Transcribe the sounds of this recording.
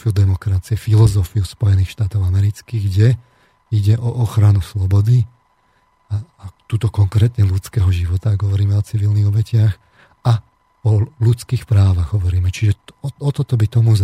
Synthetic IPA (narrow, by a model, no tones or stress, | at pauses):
iud̪ɛmɔkɾat͡siɛfilɔzɔfiuspɔjɛniːxʃt̪aːt̪ɔʊamɛɾit͡skiɡɟɛ | iɟɛʔɔʔɔxɾanuslɔbɔd̪i | aat̪uːt̪ɔkɔŋkɾɛːt̪ɲɛlut͡skɛːɦɔʒiʋɔt̪aɡɦɔʋɔɾiːmɛɔt͡siʋilniɣɔbɛcɪax | a | ɔlut͡skiːxpɾaːʋaɣɦɔʋɔɾiːmɛt͡ʃiʒɛɔt̪ɔt̪ɔbit̪ɔmuz